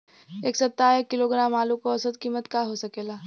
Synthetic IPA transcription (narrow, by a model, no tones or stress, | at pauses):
eːksɐt̪ːaːekːɪloɡɾaːmaːlũkoɐsəd̪̚kiːmət̪kaɦosɐkeːlaː